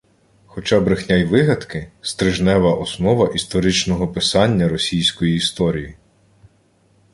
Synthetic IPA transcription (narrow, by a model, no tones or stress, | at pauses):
xɔt͡ʃɑbɾɪxnʲajʋɪɦɐd̪kɪst̪ɾɪʒnɛʋɐʔɔsnɔʋɐʔist̪ɔɾɪt͡ʃnɔɦɔpɪsɑnʲːɐɾɔsʲijsʲkɔjiːst̪ɔɾʲiji